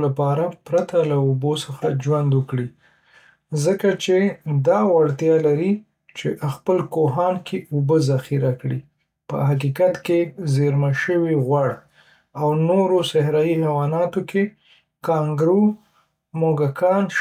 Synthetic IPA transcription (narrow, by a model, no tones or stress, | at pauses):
lapɑɾapɾat̪alaubosəxad͡ʒwand̪wəkɽi | zəkat͡ʃed̪ɑwaɽt̪jɑlaɾi | t͡ʃeʔəxpəlkoɦɑnkʰeʔubəzaxiɾakɽi | pə̰ɦakikat̪kezeɾmaʃəwiɣwaɽ | awnoɾosahɾɑjihawɑnɑt̪okʰe | kɑŋɡɾu | moɡakʰɑn